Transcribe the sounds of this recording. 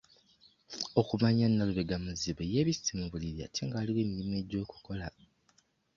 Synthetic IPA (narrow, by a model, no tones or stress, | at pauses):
o̞kumaɲanːaluβeɡamuziβeje̞ːβisi̥timuβuliɾja̰ːtʰe̞ŋɡaːliweːmilime̞ɟːo̞ːku̥ko̞la